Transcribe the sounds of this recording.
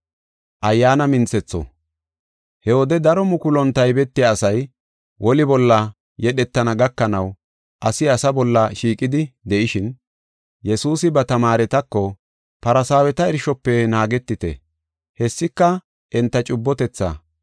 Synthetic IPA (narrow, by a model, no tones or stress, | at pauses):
ʔɐjːaːnɐmɪnt͡sːɛt͡sːɔ̰ | hɛwɔd̪ɛd̪ɐɾɔmʊkʊlɔnt̪ːɐjbɛt̪ːɪjaːsɐj | wʔɔlɪbɔlːɐ | jɛɗɛt̪ːɐnɐɡɐkːɐnɐw | ʔɐsɪɐsɐbɔlːɐʃiːkʼɪd̪ɪd̪ɛʔɪʃɪn | jɛsuːsɪbɐt̪ɐmaːɾɛt̪ɐkːɔ | pɐɾɐsaːwɛt̪ɐɛɾʃɔpːɛnaːɡɛt̪ːɪt̪ɛ̰ | hɛsːɪkːɐ | ʔɛnt̪ːɐt͡ʃʼʊbːɔt̪ɛt͡sːa̰